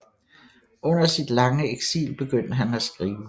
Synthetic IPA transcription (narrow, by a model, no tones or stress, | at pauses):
ʔɔ̽n̰ɐsid̥lɑ̈ŋəeɡ̥sḭːlb̥e̝ɡ̥øn̰d̥əɦænæsɡ̥ʁiːʊə